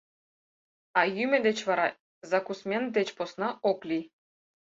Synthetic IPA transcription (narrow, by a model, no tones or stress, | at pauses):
ɑjymʲɘ̆d̪et͡ɕβɑɾɑ | zɑkusmʲend̪et͡ɕposnɑoklʲi